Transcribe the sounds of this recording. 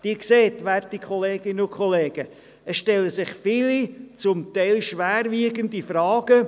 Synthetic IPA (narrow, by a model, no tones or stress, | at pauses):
d̥iːkseːtʋæɾtikʰχɔleːɡ̥ɪnəʊkʰχɔleːɡ̥ə | əsʃtɛlːəsɪχfɪlit͡sʊmt̪ɛɪlʃʋæːɾʋiːəɡəndifɾɑːɡ̥ə